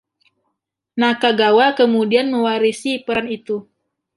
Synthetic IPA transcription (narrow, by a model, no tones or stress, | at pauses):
nakaɡawakəmudianməwaɾisipəɾanit̪u